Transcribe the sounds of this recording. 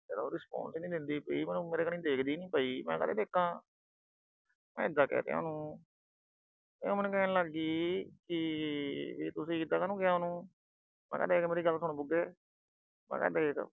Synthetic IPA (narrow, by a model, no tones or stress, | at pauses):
d͡ʒeːd̪aoɾɪspɔ̰̃ːnsnĩːd̪ɪnd̪iːpəiːmɛ̃ːnũːmeːɾeːkənĩːd̪eːkʰd̪iːnĩːpəiːmɛ̃ːkə̰t̪ḛːd̪eːkʰːãː | mɛ̰̃ːɪd̪ːaːkɛ̰ːt̪ḛːo̰ːnũː | ẽːmɛːnũːkɛːnːləɡiːkɪ | ʋiːt̪ʊsĩːɪd̪aːkaːnũːkɪjaːonũː | mɛ̰̃ːkɛ̰ːd̪eːkmeːɾiːɡəlsʊɳ̃ːbʊɡeː | mɛ̰̃ːkɛ̰ːd̪eːek